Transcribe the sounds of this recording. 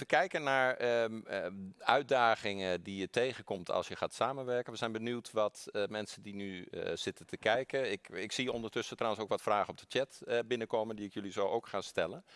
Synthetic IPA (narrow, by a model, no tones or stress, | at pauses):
əkɛjkənaːɹ | œɥt̚daːɣɪŋədijətʰejɣənkɔmtʰɑ̰lˠsjəχaːtsaːmənʋɛɹkənʋəzɛjnbənytʋɔtmɛnsədinyz̥ɪtəntʰəkɛjkəɪkɪksiɔndərtøsətrawənsoːkʋɔtfraːχənɔp̚d̥ətjɛtbɪnəkoːməndiɪkjølizowʔoːwkxaːnstɛlən